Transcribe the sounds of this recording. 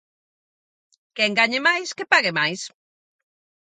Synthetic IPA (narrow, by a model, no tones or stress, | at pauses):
kɛŋɡaɲemajskepaɣemajs